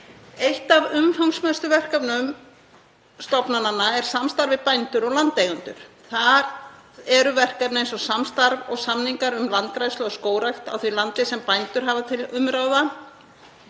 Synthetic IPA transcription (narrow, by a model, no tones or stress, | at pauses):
ejht̪avʏmfawŋsmɛst̪ʏvɛr̥kavnʏm | st̪ɔpnananːaɛɾ̥samst̪aɾvɪpajnt̪ʏɾɔɣlant̪ejɣʏnt̪ʏ̰ɾ̥ | θaɾɛɾʏvɛr̥kat̪nejnsɔsamst̪aɾvɔɣsamniŋkaɾʏmlant̪̚kɾajslaɔskoːwɾajht̪a̰wθvɛlant̪ɪsɛmpajnt̪ʏɾ̥ɦaːvat̪ʰɪlʏmɾawða